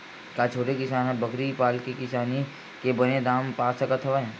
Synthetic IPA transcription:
kat͡ʃʰoːʈekɪsaːnɦɛ̃bɐkɾipaːlkekɪsaːni | kebɐnẽd̪aːmpaːsakɐt̪ʰɐʋaɦɛ̃ː

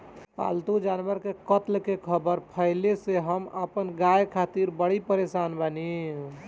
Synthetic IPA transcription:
pa̰lt̪ud͡ʒanʋəɾkekət̪lkekʰəbəɾpʰəɪleseɦəmə̰pənɡajkʰat̪iɾbəɽipəɾesanbəni

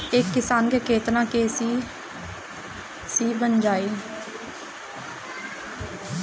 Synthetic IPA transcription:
ɪkːɪsaːnkeːkʰeːt̪nãːkeːs | siːbənd͡ʒaːiː

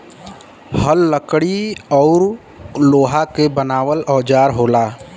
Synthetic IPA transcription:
həlːəkɽiɔːɾ | loːɦakebənaːʋəlɔːd͡ʒaːɾɦoːlaː

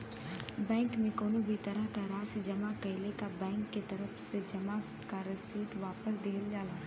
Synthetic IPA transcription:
bɛ̃ːŋkmẽkoːnobʱit̪ɐɾəɦkaɾaːsd͡ʒɐmakɐɪlekabɛ̃ːŋkːet̪ɐɾəfsed͡ʒɐma | kaɾɐsiːt̪ʋaːpəsd̪eɦəld͡ʒaːlaː

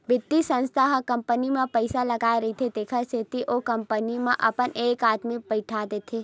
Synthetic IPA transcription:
bɪd̪isə̃nst̪ʰaɦkɐ̃mpənimẽpəɪsalɐɡaːeɾɐɦit̪ʰed̪eːkʰəɾset̪iʔokɐ̃mpənimẽʔɐpəneːkaːd̪mibɐɪʈʰad̪eːt̪ʰeː

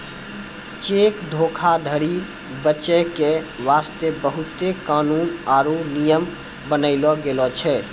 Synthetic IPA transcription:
t͡ʃekd̪ʱokʰad̪ʱəɾi | bət͡ʃɛkeʋast̪ebəɦut̪ekanunaɾunijəm | bənəɪlɔɡelɔt͡ʃʰɛ

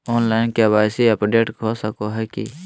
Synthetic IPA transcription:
oːnlaːɪnkebaːjsiəpɖeːʈkʰosəkoɦɛːkḭ

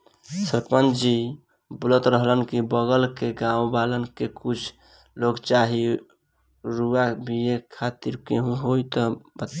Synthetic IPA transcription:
səɾpənd͡ʒi | bulət̪ɾəɦlənkibəɡəlkeɡãubalənkekut͡ʃʰ | loɡt͡ʃaɦi | ɾuabʱiekʰat̪iɾkeɦũɦojt̪ɔbət̪

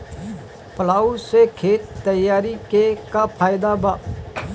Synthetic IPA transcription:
pəlaːusekʰeːt̪ːəjːaːɾikekapʰaːjd̪abaː

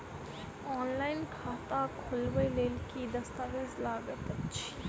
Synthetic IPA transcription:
ɔːnlaːɪnkʰaːt̪akʰʊlweleːlkid̪ɐst̪aːʋeːzlaːɡət̪ɐtːʃʰi̥

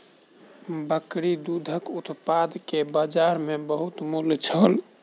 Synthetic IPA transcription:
bəkɾid̪ud̪ʱəkut̪pad̪kebad͡ʒaɾmebəɦut̪mult͡ʃʰəl

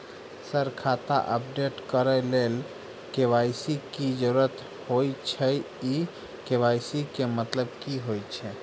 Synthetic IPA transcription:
səɾkʰat̪a̰ʔəp̚ɖeʈkəɾəlel | keʋajsikid͡ʒəɾuɾət̪ | hojt͡ʃʰɛ | i | keʋajsikemət̪ləbkiɦojt͡ʃʰɛ

